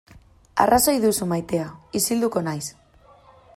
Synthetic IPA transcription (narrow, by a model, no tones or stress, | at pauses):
a̰rʔasojðusumajt̪eaisild̪uko̞najs